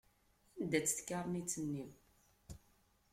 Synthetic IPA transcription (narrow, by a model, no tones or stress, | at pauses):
ænd̪æt͡sːə̥θkɑɾˤnit͡sːənːim